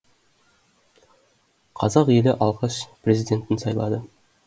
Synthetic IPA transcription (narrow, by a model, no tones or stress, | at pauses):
qʰɑzɑqje̞lɪʔɑlˠʁɑʃprʲe̞zid̪ʲe̞nt̪ɪnsɑjlˠɑ̰d̪ə